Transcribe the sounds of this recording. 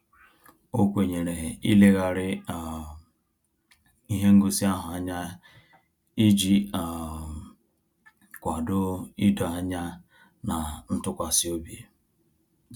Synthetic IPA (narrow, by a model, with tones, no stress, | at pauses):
o˦kʷe˨ɲe˨ɾe˨ɦe˨i˦le˦ɣa˨ɾɪ˦a˨ | i˦ɦe˦ŋ̩˦ɡo˦si˦a˦ɦʊ˨a˦ɲa˦ | i˦d͡ʒi˨a˨ | kʷa˨dʊ˦i˦dɔ˨a˦ɲa˦ | na˨n̩˦tʊ˦kʷa˨si˦o˦bi˨e˨